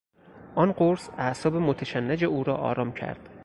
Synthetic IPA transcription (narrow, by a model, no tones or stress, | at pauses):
ʔɒnɢoɾsæsɒːbemot̪ʰæʃænːæd͡ʒeuːɾɒːʔɒ̰ːɾɒːmcʰæ̰ɾd̪̥